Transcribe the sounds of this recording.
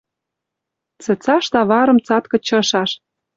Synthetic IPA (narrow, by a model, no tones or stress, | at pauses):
t͡sə̆t͡sɑʃt̪ɑβɑɾɤ̆mt͡sɑt̪kɤ̆t͡ɕɤ̆ʃɑʃ